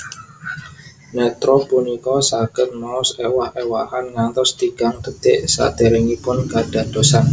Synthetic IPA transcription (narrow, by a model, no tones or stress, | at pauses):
nɛt̪ɾɔpunikɔsaɡ̥ə̤tmɔʊsewahewahanŋant̪ɔst̪iɡ̥aŋt̪ət̪ɪʔsa̰d̪̥e̤ɾeŋipʊnkaɖ̥a̤d̪̥o̤san